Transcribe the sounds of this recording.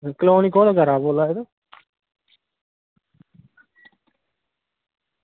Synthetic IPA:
kloːnikoːnaɡəɾaːboːlaːed̪o

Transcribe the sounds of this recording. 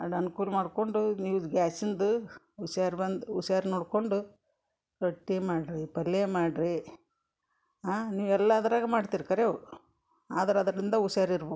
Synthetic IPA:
ɐɽɐnukuːlmaːɖkoɳɖuniːʋuɡaːsind̪u | usjaːɾbɐnd̪usjaːɾnoːɽkoɳɖu | kɐʈːeːmaːɽɾipɐlːeːmaːɖɾi | ɦaːniːʋɛlːaɐd̪ɐɾaːɡɐmaːɖt̪iːɾkɐɾe | aːd̪ɐɾɐd̪ɾɐɾind̪ɐusjaːɾiɾbo

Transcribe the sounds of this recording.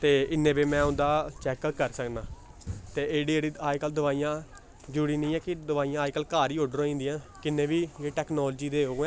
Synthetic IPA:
t̪eːɪnːẽːbiːmɛ̃ːʊ̃nd̪aːt͡ʃɛːkkəɾsəknaː | t̪eːeːɽiːeːɽiːaːikəld̪əʋaːijãː | d͡ʒuːɽiːnĩːɛːkɪd̪əʋaːijãːaːikəlkaːɾiːoɖɾõːĩːnd̪iːãːkɪnːẽːʋiːjeːʈɛːknɔːld͡ʒiːd̪eːɦoːɡɛ̃

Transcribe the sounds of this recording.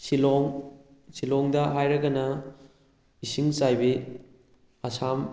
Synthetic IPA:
silɔŋ | silɔŋdɐɦajɾɐɡɐnɐ | isiŋsajbi | ɐsam

